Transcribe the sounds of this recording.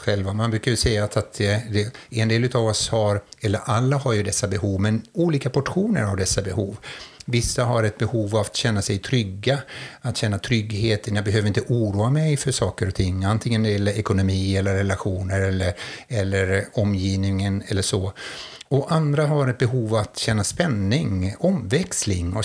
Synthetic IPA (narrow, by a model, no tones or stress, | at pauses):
ɧɛlvamanbɾʉ̟ːkajɵsɛjːaːt̪at̪ɛd̪ɛɛnd̪eːlʉ̟t̪avɔshaɾɛlːəɾʔalːaɦaɾjɵd̪ɛsːabɛhuːvmɛnuːliːkapʰɔʈɧuːnə̰ɾavd̪ɛsːabɛhuːvvɪsːaɦaɾɛt̪̚bɛhuːvavat̪ɕɛnːasɛjt̪ʰɾʏɡːaat̪ɕɛnːat̪ʰɾʏɡheːt̪ʰənjaɡbɛɦøːəɾɪnt̪əʔuːɾuːamɛjfœʂɑːkəɾɔt̪ʰɪŋːant̪ʰɪŋːənɛdjɛlːəɾɛkʊnʊmiːɛlːəɾːɛlaɧuːnəɾɛlːəɾɛlːəɾɔmːjiːvnɪŋənɛlːəʂɔ | ɔʔand̪ɾaɦaɾɛt̪̚bɛɦuːvavat̪ɕɛnːaspɛnːɪŋɔmvɛkslɪ̰ŋɔ